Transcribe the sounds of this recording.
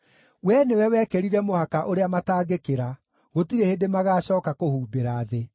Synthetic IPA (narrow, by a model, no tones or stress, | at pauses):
wɛnewɛwɛkɛɾiɾɛmohakaʔoɾeamataːɡekeɾa | ɣotiɾehedemaɣaːɕɔːkakohuːbeɾaːðe